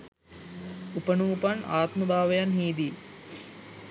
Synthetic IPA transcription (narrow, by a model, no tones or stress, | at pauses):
upənuːpana̰ːt̪məbʱaːʋɐjanɦiːd̪i